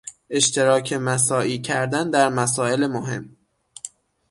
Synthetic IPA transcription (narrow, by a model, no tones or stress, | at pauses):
ʔe̞ʃt̪ʰe̞ɾɒːcʰe̞mæs̬ɒːʔiːcʰæɾd̪ænd̪æɾmæs̬ɒːe̞lemoɦe̞̰m